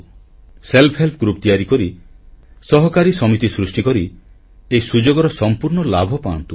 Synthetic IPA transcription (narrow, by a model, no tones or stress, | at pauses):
selpʰɦelpʰɔɡɾup̚t̪iaɾikɔɾi | sɔɦɔkaɾisɔmit̪isɾusʈikɔɾi | eisud͡ʒoɡɔɾɔsɔmpuɾɳɔlabʱɔpaɔ̰nt̪u